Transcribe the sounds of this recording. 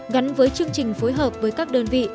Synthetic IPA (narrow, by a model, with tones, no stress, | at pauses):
ɣa˨˦nvəː˨˦jt͡ɕɨ˧əŋt͡ɕï˨˩ŋ̟fo˨˦jɦəː˨˩p̚vəː˨˦jkaː˦˥k̚ɗəː˧nvḭ˧˨